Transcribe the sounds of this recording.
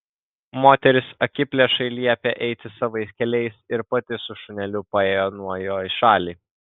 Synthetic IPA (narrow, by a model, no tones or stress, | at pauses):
moːt̪ʲɛɾʲɪsɐkʲɪpʲlʲɛʃɐɪlʲiɛɛpʲeʔɛɪt̪ʲɪsɐʋɐɪsʲkʲɛlʲɛɪsɪɾpɐt̪ʲɪsʊʃʊnʲɛlʲʊpɐeːjoːnuɔjoːɪʃɑːlʲiː